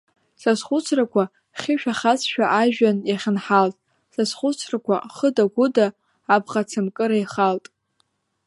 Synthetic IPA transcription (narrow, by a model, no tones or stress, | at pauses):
sasχʊt͡sʰrakʷʰa | χʲɪʃᶣaχat͡sʃᶣaʔaʒᶣanjaχʲɪnħaltʼ | sasχʷʊt͡sʰrakʷʰa̰χədaɡʷʊdaː | bʁat͡sʰɨmkʼɨɾajχaltʼ